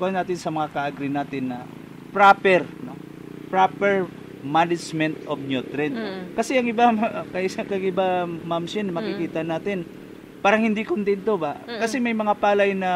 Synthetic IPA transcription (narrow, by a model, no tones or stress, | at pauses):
kohɐnaːt̪ɪnsɐmɐŋakɐʔaɡɾɪnaːt̪ɪnːɐ | pɾapɛɾno̰ | pɹapɛɹ | manɪd͡ʒmɛnt̪ʔob̚njut̪ɾɪnkɐsɛɐŋɪbakɐʔkɐŋʔɪbamamʃɪnmɐkɪkiːt̪ɐnaːt̪ɪn | paːɾɐŋhɪnd̪ikʊnt̪ɛnt̪obakɐsɛmɐjmɐŋapaːlɐjnɐ